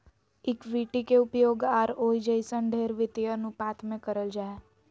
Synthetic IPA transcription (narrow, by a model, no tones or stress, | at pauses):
ɪkʋiːʈikeʊpjoːɡaːɾoːid͡ʒəjsə̃ɳɖʱeːɾʋɪt̪ijənũpaːt̪ʰmẽkəɾəld͡ʒaːe